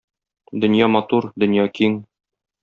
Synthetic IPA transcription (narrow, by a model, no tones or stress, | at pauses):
d̪ɵ̆njɑmɒt̪uɾd̪ɵ̆njɑkiŋ